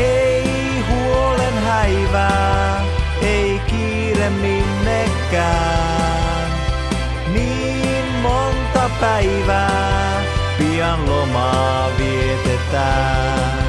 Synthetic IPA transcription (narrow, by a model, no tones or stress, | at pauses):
ei | huolenhæiʋæː | eikiː | ɾemːinːe | kːæː | n | niː | mmont̪ɑpæiʋæː | piɑnlomɑː | ʋiet̪et̪æː